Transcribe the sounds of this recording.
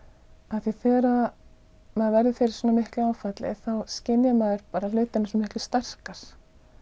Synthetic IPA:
aθiθɛːɾa | mɛðvɛɾðʏfɪɾɪ̥ɾ̥sɔːnamɪhklʏaːwfat̪lɪ̰θawscɪnjamaðʏɾpaːɾalʏːt̪ɪnasɔnːmɪhklʏ̥st̪ar̥kaɾ̥

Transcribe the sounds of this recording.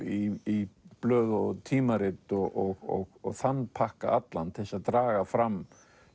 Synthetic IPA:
iiplœːðt̪ʰiːmaɾɪt̪ɔʔɔɣɔɣɔɣθanːpʰahkaʔat̪lant̪ʰɪlsaðt̪ɾaːɣafɾamː

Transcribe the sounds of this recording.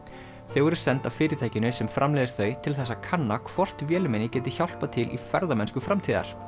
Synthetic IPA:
θowɛɾʏɾ̥sɛnt̪awfɪːɾɪt̪ʰajcɪnʏsɛmfɾʔamlɛːjðɪɾ̥θœːɥt̪ʰɪlθɛs̬ːakʰanːakʰvɔr̥t̪vjɛːlɪmɛnɪcɛːt̪ɪçawl̥pat̪ʰɪlʔḭfɛɾðamɛnskʏfɾamt̪ʰiːða̰ɾ̥

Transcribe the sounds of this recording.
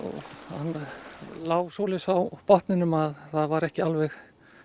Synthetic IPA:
ɔ̰ɣhanːlaːwvsoːlɪsawpɔht̪nɪnʏmaðθaðvaɾɛhcɪalvɛx

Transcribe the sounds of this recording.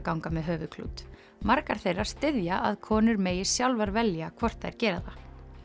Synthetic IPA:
kawŋkamɛðɦœːvʏkʰlṵːt̪ | maɾkaɾ̥θejrːaɾ̥st̪ɪðjaʔaðkʰɔːnʏɾmeːjɪ̥sjawlvaɾvɛljakʰvɔr̥t̪θaɛ̰ɾ̥cɛːɾaða

